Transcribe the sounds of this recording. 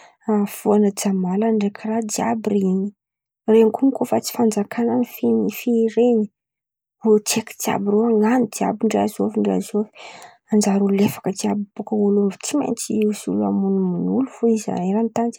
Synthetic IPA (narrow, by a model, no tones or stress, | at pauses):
afuanəd͡zamalanɖ͡ʐekʰirad̪ia̰birini | renikuŋikofat͡si̥fand͡zakʰananifinfiɾeɲi̥ | ut͡seki̥d̪ia̰biɾeaŋand̪ia̰biɳɖ͡ʐeazoviɳɖ͡ʐea̰zovi̥ | and͡ʒaɾululefḁkəd̪iabibukəwulumvut͡simḛnt͡ʃiisula̰munuminulufuiza̰iɾant̪and͡ʒi̥